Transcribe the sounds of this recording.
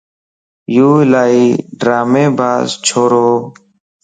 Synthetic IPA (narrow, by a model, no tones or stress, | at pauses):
juːlaːiːɖɾaːmẽːbʱaːzt͡ʃʰoːɾoː